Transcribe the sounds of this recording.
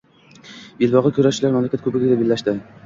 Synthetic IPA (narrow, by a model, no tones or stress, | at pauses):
jɪlbɒʁɨkʲʰɵɾaʃt͡ʃɪlaɾmamlakʲat̪kʰɵbɪɡʲɪd̪abelːaʃd̪ɪ